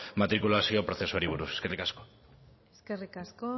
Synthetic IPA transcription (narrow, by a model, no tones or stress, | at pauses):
mat̪ɾikulasiopɾoθe̞suoɾiβuɾuseskerikasko | eskerikasko